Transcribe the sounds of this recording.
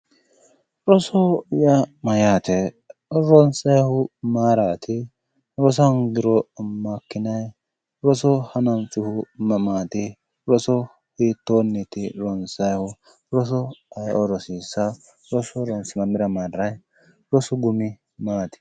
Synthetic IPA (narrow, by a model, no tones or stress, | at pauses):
ɾɔsɔjɐmɐjaːt̪ɛ | ɾɔnsɐjhʊmaːɾaːt̪ʰɪ | ɾɔs̬ɐnɡɪɾɔmɐkːɪnɐj | ɾɔsɔhɐnɐnt͡sʼːɪhʊmɐmaːt̪ɪ | ɾɔsɔ | hiːt̪ːoːnːɛt̪ɪɾɔnsɐjhʊ | ɾɔs̬ɔɐjʔɔɾɔsiːsːɐ | ɾɔsɔɾɔnsɪnɐmɪɾɐmaːrːɐj | ɾɔsɔɡʊmɪ | maːt̪ɪ̥